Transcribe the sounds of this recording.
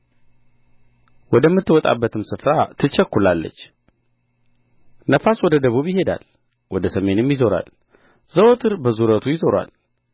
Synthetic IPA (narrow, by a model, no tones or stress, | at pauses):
wɔd̪əmːɨt̪ːɨwɔt̪ʼa̰bːət̪ʰɨmsɨfɾat̪ʰɨt͡ʃːəkːulalːə̰t͡ʃː | nəfaswɔd̪əd̪əβuβjɪɦe̞d̪a̰l | wɔd̪əsəme̞nmjɪzo̞ɾa̰l | z̥əwot̪ʰɨɾbəzuɾət̪ʰujɪzoɾwa̰l